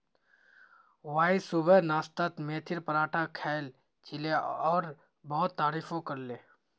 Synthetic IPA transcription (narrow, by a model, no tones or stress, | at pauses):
waːisʊbənaːst̪at̪meːt̪ʰɪɾpəɾaːʈʰakʰɛːl | t͡ʃɪleɔːɾ | bɔɦʊt̪ːaːɾiːfõkɐɾleː